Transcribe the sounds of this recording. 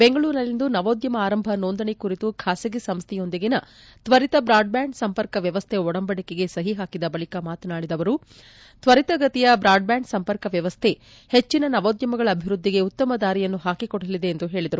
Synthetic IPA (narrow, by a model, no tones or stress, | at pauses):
beŋɡɐɭuːɾnɐlːind̪unɐʋoːd̪jɐmɐaːɾɐmbʱɐnoːnd̪ɐɳikuɾit̪ukʰaːsiɡisɐmst̪ʰɛjo̞nd̪iɡinɐt̪ʋɐɾit̪ɐbɾaːɖ̚bjaːɳɖsɐmpɐɾkɐʋjɐʋɐst̪ʰɛɔɽɐmbɐɽikeɡe̞sɐɦiɦaːkid̪ɐbɐɭikɐmaːt̪naːɭid̪ɐʋɐɾu | t̪ʋɐɾit̪ɐɡɐt̪ijɐbɾaːɖ̚bjaːɳɖsɐmpɐɾkɐʋjɐʋɐst̪ʰe | het͡ʃːinɐnɐʋoːd̪jɐmɐɡɐɭɐːbʱiɾud̪ʱːiɡe̞ut̪ːɐmɐd̪aːɾijɐnːuɦaːkikɔɽɐlid̪e̞ːnd̪uɦe̞ːɭid̪ɐɾu